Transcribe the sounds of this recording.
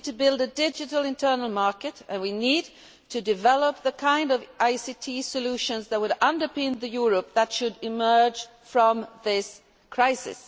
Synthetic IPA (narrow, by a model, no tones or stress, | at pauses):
tʰɨbɪlˠdɨdɪd͡ʒɨɾl̩ˠɪ̃ntʰɜ˞nl̩ˠmɑɹkɨɾɨ̃nwinid̚ | tʰɨdɨvɛlˠəp̚ðəkʰãɪ̃ndʌvʔaɪsitʰisɨlʉʃɨ̃nzðət̚wɨɾʌ̃ndə˞pɪ̃nðɨjʊɹəp̚ðətʃɨɾɨmɜ˞d͡ʒʒ̥ | fɹʌ̃mðɪs | kʰɹ̥aɪsɪ̰s